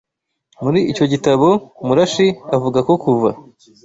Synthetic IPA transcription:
muɾiːco̞ɟitaβo̞muɾaʃiavuɡako̞kuva

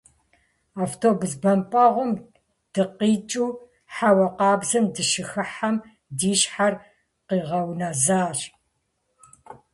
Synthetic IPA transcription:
aːftʰoːbuzbɐmpʼɐʁʷʊm | d̥ɨqiːt͡ʃʼuː | ħawɐqɑːbzɨmdɨʃɪxɨħam | diːɕħar | qiːʁɐwnɐzaːɕ

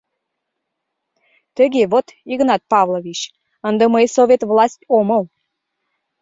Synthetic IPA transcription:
t̪əɣeβot̪iɣnɑt̪̚pɑvlˠovʲit͡ɕ | ənd̪əməjsovʲet̪vlˠɑsʲtʲoməl

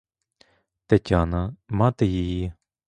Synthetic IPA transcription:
t̪ɐtʲanɐmɑt̪ɪjiji

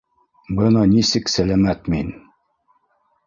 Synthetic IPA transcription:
bɤnɑnisɘksælæmæt̪min

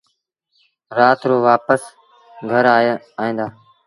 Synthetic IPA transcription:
ɾaːt̪ɾoːʋaːpəs | ɡʱəɾaːe | aːɦĩːnd̪aː

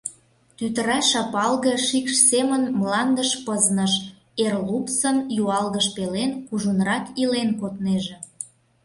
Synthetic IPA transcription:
t̪yt̪əɾɑʃɑpɑlɣə̆ʃikʃsemənmlɑnd̪əʃpəznəʃ | erlupsənjuɑlɣəʃpelenkuʒunrɑk̪ilenkot̪neʒĕ

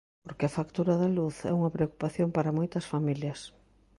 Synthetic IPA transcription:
poɾkeɐfakt̪uɾɐðɐluθɛ̰uŋɐpɾeoku̥paθjoŋpaɾɐmojt̪ɐsfamiljɐs

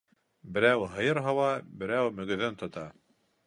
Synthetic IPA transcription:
bɘ̆ɾæwɦɤ̆jɤɾɦɑwɑbɘ̆ɾæwmɵ̆ɡɵ̆ðɘnt̪ŏt̪ɑ

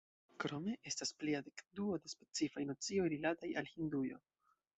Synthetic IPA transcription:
kɾo̞me̞ʔe̞staspliadekduo̞despe̞t͡sifajnat͡sio̞jɾilataja̰lhindujo̞̰

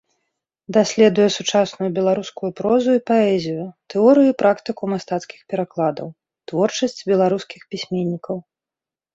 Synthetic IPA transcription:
d̪asʲlʲɛd̪ujɛsut͡ʂasnujubʲɛlˠaɾuskujupɾɔzuipaɛzʲijʊt̪ɛɔɾɨjupɾʔakt̪ɨkumast̪at̪skʲi̥xpʲɛɾaklˠad̪ɐ̰w | t̪vɔrt͡ʂɐsʲt͡sʲbʲɛlˠaɾuskʲixpʲisʲmʲɛnʲːikɐw

